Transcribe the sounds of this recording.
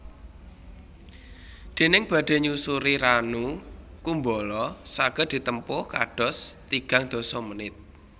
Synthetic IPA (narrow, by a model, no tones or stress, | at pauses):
d̪̥e̤nɪŋb̥ä̤ɖ̪̥e̤ɲusuɾiɾanukumbɔlɔsaɡ̥ə̤d̪̥i̤t̪əmpʊhka̰ɖ̥ɔ̤st̪iɡ̥ä̤ŋd̪̥ɔ̤sɔmənɪt̪̚